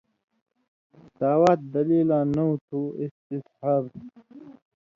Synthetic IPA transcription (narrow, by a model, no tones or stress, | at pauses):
d̪aːwat̪̚d̪ɐliːlãːnɐut̪ʰuist̪ishaɾ